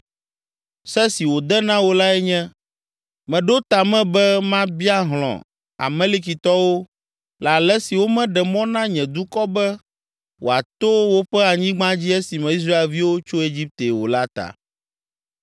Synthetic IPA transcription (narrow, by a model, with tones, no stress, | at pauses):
sɛ˦si˨wo˨d̪ɛ˦nã˦wo˦la˦ɛ˦ɲɛ̃˦ | mɛ̃˨ɖo˦t̪a˨mɛ̃˦bɛ˦mã˦bi˦a˦ɦlɔ̰̃˨ | a̰˨mɛ̃˦li˦ki˨t̪ɔ˦wo˦ | la˨lɛ˦si˨wo˦mɛ̃˦ɖɛ˨mɔ̃˦nã˦ɲɛ̃˨d̪u˦kɔ˦bɛ˦ | wo̰˨a˨t̪o˦wo˦ɸɛ˦a˨ɲĩ˦ɡ͡bã˦d͡ʑi˦ɛ˦si˨mɛ̃˨i˦s̬ɾa˦e˨lvi˦wo˦t͡ʃo˦e˦d͡ʑi˦p̚t̪e˨wo̰˨la˦t̪a̰˨